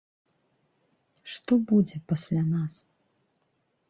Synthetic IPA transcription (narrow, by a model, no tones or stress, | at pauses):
ʂt̪ɔbud͡zʲɛpasʲlʲanas